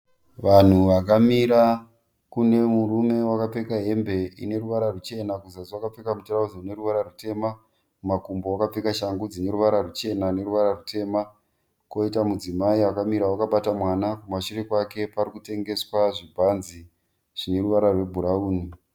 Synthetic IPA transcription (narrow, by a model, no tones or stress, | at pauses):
ʋan̤uʋak̬amiɾa | kune̞muɾume̞wakapekaɦe̞mbe̞ḭne̞ruʋaɾarut͡ʃe̞nakuzasiwakap͡fekamutorauzone̞ɾuʋaɾarute̞ma | mumakumbowakap͡fekaʃaŋɡud͡zine̞ɾuʋaɾarut͡ʃe̞nane̞ɾuʋaɾarutʰe̞ːma | ko̞itamud͡zimaiakamiɾawakaɓatamwaːnakumaʃuɾekwake̞paɾikute̞ŋɡe̞swaʐibʱanzi | ʐ̥ine̞ruʋaɾarwe̞bʱuɾauːni